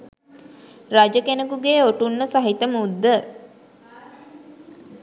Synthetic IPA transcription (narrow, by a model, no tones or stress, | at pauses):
rad͡ʒəkenəkuɡeːoʈunːəsaɦit̪əmud̪ːə